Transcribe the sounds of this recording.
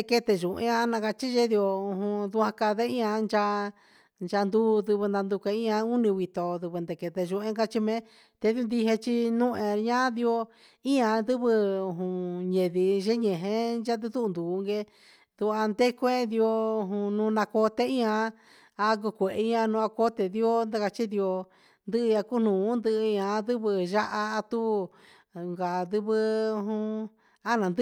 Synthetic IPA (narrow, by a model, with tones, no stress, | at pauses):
e˧ke˧t̪e˧ʒũ˨ʔḛ̃˧˦ã˧nã˧ka˧t͡ʃi˦ʒe˦ði˧o˧u˧ɦũ˧ðu˧ã˧ka˧ðe˦ĩ˦ã˧nd͡ʒa˧ | nd͡ʒa˧nd̪u˦ðu˧βɨ˧nd̪ã˧nd̪u˧kʷe˧ĩ˦ã˧u˦nĩ˧wi˧t̪o˧ðɨ˧βɨ˧nd̪e˧˨ke˧t̪e˧ʒũ˧ẽ˦ka˦t͡ʃi˧mẽ˦ | t̪e˧ði˧u˧nd̪i˧ɦe˧t͡ʃi˧nũ˦ʔẽ˧ɲã˦ði˧o˧ | ĩ˦ã˧ðɨ˦βɨ˧u˧˨ɦũ˧ɲẽ˨ði˧ʒe˦ɲẽ˨ɦẽ˧˦ʒa˦t̪̬ɨ˧t̪u˦˧nd̪uː˨˧ŋɡe˧ | d̪u˧a˧nd̪e˦kʷẽ˦d̪i˧o˧u˧ɦũ˧nũː˧nã˧ko˧t̪e˦ĩ˦ã˧ | a˧k̬u˧kʷe˨ʔe˧˦ɲã˧nũ˧a˧ko˦t̪e˧˨ði˦o˦nd̪a˦ka˧t͡ʃi˦ði˧o˧ | nd̪ɨ˦ʔɨ˧a˧ku˦nũː˨˦nd̪ɨ˧ʔɲã˧˦d̪ɨ˦βɨ˧ʒa˦ʔa˧a˧t̪u˦ | ŋɡa˨d̪ɨ˦βɨ˧u˧ɦũ˧ | a˦nã˨nd̪